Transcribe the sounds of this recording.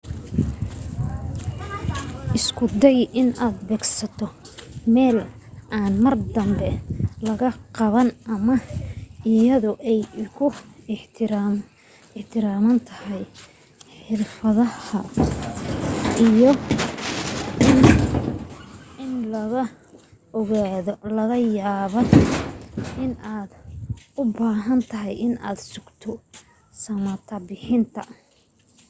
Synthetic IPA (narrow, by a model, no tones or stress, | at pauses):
ʔɪskʰʊd̪ɛjʔɪnʔaːd̪bɛːɡsɐt̪ʰɔmɛːl | ʔaːnmɐrd̪ɐmbɛlɐɣɐqɑβɐnʔɐmɐ | ɪjɐðʊʔɛjkʰʊħʰɾ | ɪħt̪ʰɪɾaːmɐnt̪ʰɐhɛj | ħɪrfɐðɐhɐ | ʔijɔ | ɪn | ɪnlɐɣɐ | ɣaðlɐɣɐjaːβɐn | ɪnaːd̪ʊbaːɦɐnt̪ʰɐɦɛjʔɪna̰ːd̪sʊɡt̪ʰɔ | sɐmɐt̪ʰɐbɪħɪnt̪ʰɐ